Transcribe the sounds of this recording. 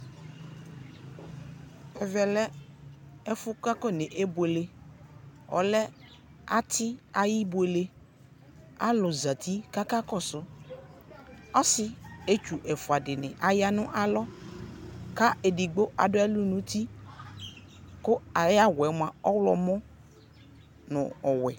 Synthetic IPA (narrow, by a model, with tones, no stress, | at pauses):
ɛ˨vɛ˨lɛ˦ | ɛ˦fʊ˦ka˦kɔ˦˨nɪ̃˨ʔe˦bʊ˨e˨le˦ | ɔ̰˨lɛ˦ | a˦t̪ʰɪ˦a˨ji˦bʊ˨e˨le˦ | a̰˦lʊ˨za˨t̪ʰi˦ka˦ka˦kɔ˦˨sʊ˦ | ɔ˦sɪ˨e˦t͡ʃu˨ʔɛ˨fʊ˨a˨dɪ˨nɪ̰̃˨ʔa˨ja˦nʊ̃˦ʔa˨lɔ˦ | ka˦ʔe˨dɪ˨ɡ͡bo˦ʔa̰˨dʊ˦ɛ˦lʊ˦nʊ̃˦t̪i˦ | kʊ˦a˨ja˦wɛ˨m˦ã˨ɔ˦wlɔ̰˨mɔ̃˦ | nʊ̰̃˨ɔ˨wɛ˨